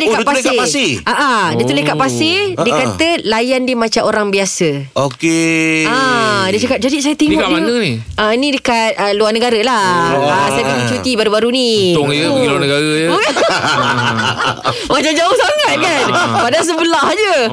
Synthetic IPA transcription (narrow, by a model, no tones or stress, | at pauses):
lekaʔpaasɪʔaʔadət̪ulekaʔpasɪdiəkat̪əlajandiəmãt͡ʃaʔoɾaŋbiasəokkeadət͡ʃakap̚d͡ʒadisajat̪iŋɔdanəni | ainĩdəkat̪̚əluarnəɡaɾəlaasajakant͡ʃut̪ibaɾubaɾuniɔŋjiluanəɡaɾəjə | mat͡ʃad͡ʒaʊhsaŋat̪̚kanpadas̬əbəlahd͡ʒə